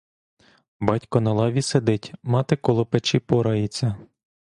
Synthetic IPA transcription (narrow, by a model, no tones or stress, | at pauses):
bɑtʲkɔnɐlˠɑʋʲised̪ɪtʲmɑt̪ɪkɔlˠɔpet͡ʃipɔɾɐjɪt͡sʲːɐ